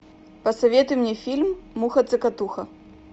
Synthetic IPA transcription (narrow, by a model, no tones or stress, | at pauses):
pɐsavʲɛt̪ɨmnʲɛfʲilʲmːuxɐt̪sɨkat̪uxɐ